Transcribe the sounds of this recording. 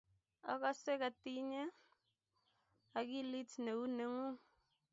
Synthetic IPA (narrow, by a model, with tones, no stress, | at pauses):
a̰˨ka˦se˦ka˨ti˦ɲe˦ | a˨ki˦li˦tne˨u˦ne˨ŋu˦